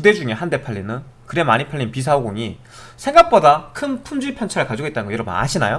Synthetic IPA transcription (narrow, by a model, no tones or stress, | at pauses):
pude̞d͡ʑuŋe̞hande̞pʰaɭːinɯn | kɯɾe̞maɲipʰaɭʎːinpis̬ʰaoɡoŋi | sʰe̞ŋɡak̚p͈odakʰɯnpʰumd͡ʑiɭpʰjʌnt͡ɕʰaɾɯɭkad͡ʑiɡoit͈anɡʌjʌɾʌbʌ̰na̰ɕʰina̰jo